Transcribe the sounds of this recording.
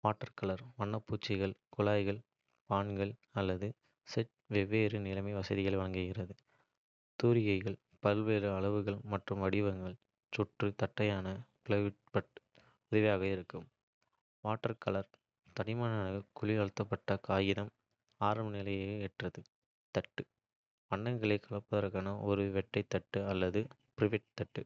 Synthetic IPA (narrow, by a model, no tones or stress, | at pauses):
ʋaːʈːɐɾkɐɭɐɾʋɐɳːɐpːuːt͡ʃːɪɣɐɭkʊɭaːjɣɐɭ | paːɳɡɐɭɐlːɐðɯ | sɛʈ | ʋɛʋːeːɾɯnɪlɐmɐɪʋɐsɐðɪɣɐɭʋɐɭɐŋɡɯɣɪrɐðɯ | t̪uːɾɪjɐɪɣɐɭ | pɐlʋeːɾɯɐɭɐʋɯɣɐɭmɐʈrɯmʋɐɽɪʋɐŋɡɐɭ | t͡ʃɔʈrɯt̪ɐʈːɐjaːnɐpɪɭɐʋɪʈ̚pɐʈ | ʊðɪʋjaːɣɐɪɾɯkːɯm | ʋaːʈːɐɾkɐɭɐɾ | t̪ɐɾɪmaːnɐnɐɐkʊɭɪɐɻɯt̪ːɐpːɐʈːɐkaːjɪðɐm | aːɾɐmnɪlɐjɐɛʈrɐðɯ | t̪ɐʈːɯ | pɐɳɖɐŋɡɐɭeːkɐɭɐpːɐðɐɾkaːnɐʔɔɾɯʋɛʈːɐɪt̪ːɐʈːɯɐlːɐðɯ | pɪɾɪʋɪʈ̚t̪ɐʈːɯ